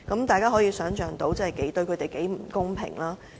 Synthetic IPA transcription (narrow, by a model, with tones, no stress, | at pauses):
kɐ˨˥mt̪aː˨˩jkaː˥ɦɔː˨˥jiː˧sœː˨˥ŋt͡ʃœː˨˩ŋt̪o˨˥wt͡sɐ˥hɛ˨jke˨˥jt̪ɵ˧ɥkʰɵ˨˧˥t̪e˨jke˨˥jm̩˨˩kʊ˥ŋpʰɪ̰˨˩ŋlaː˥